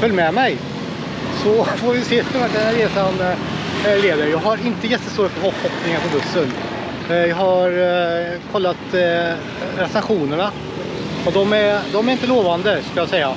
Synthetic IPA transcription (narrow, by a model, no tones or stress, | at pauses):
fœlːmɛmɛj | sɔfoɾvɪseːkavaʈ̚d̪ɛnæɾeːsan | leːd̪əɾjɑːɡɦaɾɪnt̪əjɛt̪ːəst̪oːɾət̪fəɾɦɔhɔpnɪŋənpʰɔbɵsːən | jɑːhaɾ | kʰɔlːat̪ | ɾɛsnaɧuːnəɳa | ɔd̪ɔmæd̪ɔmæɾɪnt̪̬əloːvand̪əskajɑːsɛjːa